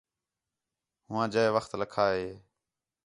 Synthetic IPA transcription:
ɦʊʋãːd͡ʒəeʋəxt̪ləkʰaːɦeː

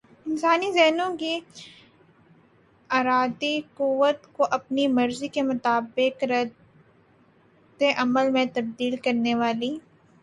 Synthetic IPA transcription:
ɪnsaːnizɛɦnõki | aːɾaːd̪iquwːət̪koʔɐpnimɐɾzikemʊt̪aːbɪkɾɐ | d̪eʔɐməlmẽt̪ɐb̚d̪iːlkɐɾneʋaːliː

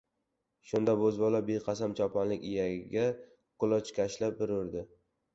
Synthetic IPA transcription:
ʃʊnd̪abɵzbɒlˠabeqʰɑsamt͡ʃʰɒpʰɒnlɪkʲɪjaɡʲa | qʰʊlˠɒt͡ʃkʲʰaʃlap̚bɪɾʊɾd̪ɪ

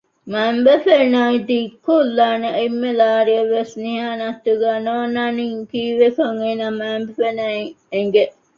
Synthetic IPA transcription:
mæmbefenaid̪iːkːulːaːneimːelaːɾiɐʋːesniɦaːnɐt̪ːuɡæːnoːnaniŋkiːʋekɐŋeːnamæːmbefenɐiŋ | eŋɡe

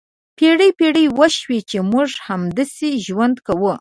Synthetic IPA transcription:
peɽəjpeɽəjwəʃwet͡ʃemuʐhamd̪aseʒwand̪kawə

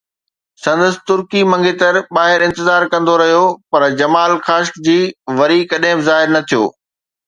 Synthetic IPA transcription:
sɐ̃nd̪əsɪ̥̆t̪ʊɾkimɐ̃ŋɡʱet̪ɐɾɓaːɦɪɾɪ̃nt̪ɪzaːɾkɐ̃nd̪oɾɐɦijopɐɾd͡ʑɐmaːlxaːʃkd͡ʑiːʋɐɾikɐɗɦɪ̃bɪzaːɦɪɾnɐt̪ʰijo̰ː

